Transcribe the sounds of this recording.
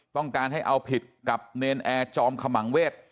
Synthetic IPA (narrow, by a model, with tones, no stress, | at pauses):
t̪ɔ˥˩ŋkaː˧nɦa˥˩jʔa˧wpʰi˨˩t̪̚ka˨˩p̚neː˧nʔɛː˧t͡ɕɔː˧mkʰa˧ma˩˦ŋweː˥˩t̪̚